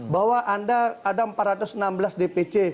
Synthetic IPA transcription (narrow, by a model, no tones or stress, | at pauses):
baɦwaʔandaːdaəmpat̪ɾat̪ʊsənambəlasdepet͡ʃe